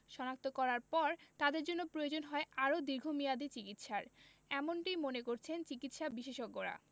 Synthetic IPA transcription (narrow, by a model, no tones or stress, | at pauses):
ʃɔnak̚t̪okɔɾaɾpɔɾt̪ad̪eɾd͡ʑonːopɾojod͡ʑonɦɔeʔaɾod̪iɾɡʱomijad̪it͡ɕikit̪ʃaɾ | ɛmoɳʈijmonekoɾt͡ɕʰent͡ɕikit̪ʃabiʃeʃoɡːoɾa̰